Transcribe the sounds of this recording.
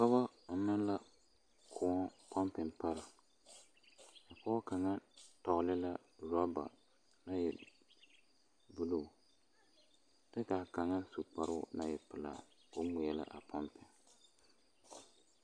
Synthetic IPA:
kɔ˦ba˦nɨ˦la˦ | kʰʊ˨ɔ˦pʰɔ˦mpɪ˨ŋpa˦ɾɪ˨ | a˨pɔ˦ka˨ŋa˦tɔ˨lɪ˦la˦ | ɾɔ˦ba̰˨ | na˦jɛ̰˨ | bu˦lu˦˨ | dɨ˦ka˨ka˨ŋa˦su˨k͡pa˨ɾʊ˦na˦jɛ˨pɨ˨la̰˨ | o˦ŋʊ˨jɛ˦la̰˦ʔa˨pʰɔ˦mpɪ˨ŋ

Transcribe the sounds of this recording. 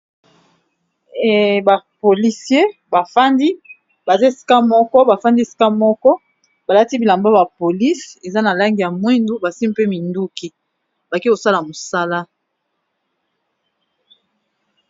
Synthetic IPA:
ba˨po˨li˨sje˦ba˨fa˦ndi˦ | ba˨za˦e˨si̥˨ka˦mɔ˦kɔ˦ba˨fa˦ndi˦e˨si̥˨˦ka˦mɔ˦kɔ˦ | ba˨la˦ti˦bi˨la˨mba˦ba˨po˨li˦se˨za˦na˨la˦ŋɡi˨ja˨mwe˦ndu˦ba˨si˦m˦pe˦mi˨ndu˦ki˦ | ba˨ki˦ko˨sa˦la˨mo˨sa˦la˦

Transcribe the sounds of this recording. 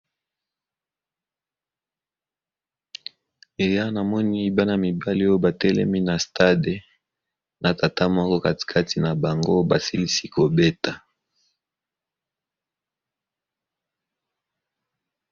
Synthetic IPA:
e˨ja˦na˨mɔ˦ni˦ba˦na˨mi˨ba˦li˦o˦o˦ba˨tɛ˦lɛ̰˦mi˦na˨sta˦de˨ | na˨ta˨ta˦mɔ˦kɔ˦ka˦ti̥˨kʰa˦ti˨na˨ba˨ŋɡo˦ba˨si˦li˦si˦ko˨be˦ta˨

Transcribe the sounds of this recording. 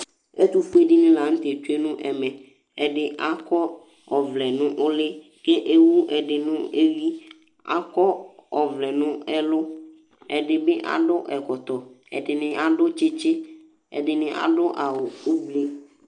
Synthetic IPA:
e˦t̪u˦fu˦e˦ɖi˦nĩ˦la˨ŋ̩̃˦t̪e˨t̪u˦e˦nũ˦ʔɛ˨mɛ̃˨ | ɛ˨ɖɪ˦ʔa˦kɔ˦ | ɔ˨vlɛ˨nʊ̃˦ʔʊ˦lɪ˦ | ke˦ʔe˦wu˦ɛ˨ɖɪ˨nʊ̃˦e˦vi˦ | a̰˦kɔ˦ɔ˨vlɛ˨nũ˦ɛ˦lʊ˦ | ɛ˨ɖɪ˨be˦ʔa̰˨ɖʊ˦ʔɛ˨kɔ˨t̪ɔ˨ | ɛ̰˨ɖɪ˨nɪ̃˨ʔa˨ɖʊ˦t͡ʃe˦t͡ʃe˦ | ḛ˨ɖɪ˨nɪ̃˨ʔa̰˨ɖʊ˦ʔa˨wo˨u˦ble˦

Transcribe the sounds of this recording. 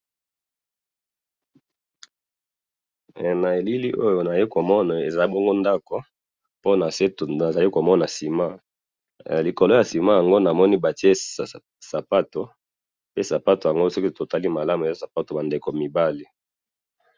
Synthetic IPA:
na˨e˨li˦li˦ʔo˦jo˨na˨i˦ko˨mɔ˦na˨e˨za˨˦bɔ˦ŋɡo˦nda˦ko˨ | po˦na˨se˦˨a˨za˨li˦ko˨mɔ˦na˨si˨ma˦˨ | li˨ko˨lo˦ja˨si˨ma˦ja˨ŋɡo˦na˨mɔ˦ni˦ba˨ti˦e˦˨ | sa˨pa˦to˨ | pe˦sa˨pa˦to˨ja˨ŋɡo˦sɔ˦ki˦to˨ta˦li˦ma˨la˦mu˨e˨za˦sa˨pa˦to˨ba˨nde˨ko˨mi˨ba˦li˦

